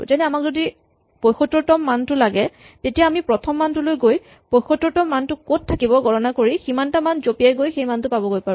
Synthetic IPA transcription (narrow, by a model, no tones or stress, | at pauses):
zɛnɛamakzodi | pojxotːɔtɔmːantʊlaɡɛ | tetijaːmipɹɔtʰɔmːantʊlojɡoj | pojxɔtːɔtɔmːantʊkot̚ʰːakibɔɡʱɔɹɔnakoɹiximantamanzopijajɡojxejmantʊpabɔɡojpaɹʊ